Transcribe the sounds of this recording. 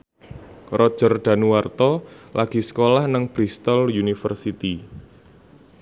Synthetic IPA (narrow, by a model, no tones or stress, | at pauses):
rɔd̥ʒ̥ərɖ̪̥a̤nuwart̪ɔlʔaɡ̥i̤sə̥kolahnəŋb̥ɾist̪əljunifərsit̪i